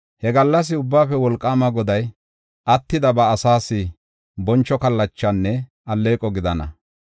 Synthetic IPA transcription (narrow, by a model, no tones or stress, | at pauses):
hɛɡɐlːɐs̬ɪʊbːaːfɛwɔlkʼːaːmɐɡɔd̪ɐj | ʔɐt̪ːɪd̪ɐbɐːsaːsɪ | bɔnt͡ʃːɔkɐlːɐt͡ʃːɐnːɛ | ɐlːe̞ːkʼɔɡɪd̪ɐnɐ̰